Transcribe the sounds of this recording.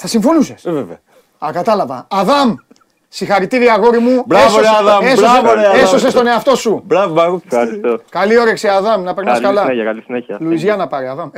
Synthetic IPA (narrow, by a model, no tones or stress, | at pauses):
θɐsiɱfo̞nusesveve | ɐkɐt̪ɐlɐvɐ̰ɐðɐm | sixɐɾit̪iɾiɐɣo̞ɾimubɾeoɾeaðɐesoɾeessos̬est̪o̞ne̞ɐft̪o̞subɾɐvobɐɣuɐɾist̪okɐlio̞ɾeksiɐðɐmnɐpeɾnɐskɐlɐɐlisineɐluizʝɐnɐpɐɾeɐðɐm